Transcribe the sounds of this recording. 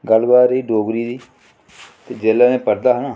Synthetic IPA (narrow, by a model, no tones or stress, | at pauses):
ɡəlbaːɾɦiːɖoːɡɾiːd̪iː | t̪eːd͡ʒeːlːaːnẽːpəɾd̪aːɦənaː